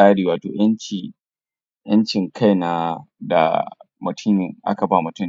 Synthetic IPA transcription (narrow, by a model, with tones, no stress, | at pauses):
aː˦ɽiː˨waː˨toː˨j̰ɐ˦nt͡ʃi˨ | jɐ˦nt͡ʃɪ˨ŋkʰa˦jna˦da̰˨ | mʊ˨tʰʊ˦ɲjɪ˨ŋʔa̰˦ka˨ba˦˨mʊ˨tʊ˦n˦